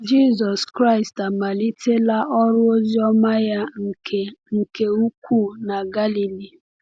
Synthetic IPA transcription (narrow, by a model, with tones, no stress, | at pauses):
d͡ʒi˦˨zɔ˨skɾa˦˨ɪ˨sta˨ma˨li˦tʰe˦la˦ʔɔ˦ɾʊ˦o˦zi˦ɔ˦ma˦ja˦˨e˨ŋ̩˨ke˨u˦kʷʰu˦˨na˨ɡa˦li˨li˨